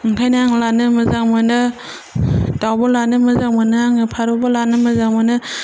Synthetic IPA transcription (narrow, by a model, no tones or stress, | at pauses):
ŋkʰajnaaŋlanɯmɯzaŋmɯnɯ | dawbɔlanɯmɯzaŋmɯnɯaŋɯpʰaɾɔbɔlanɯmɯzaŋmɯnɯ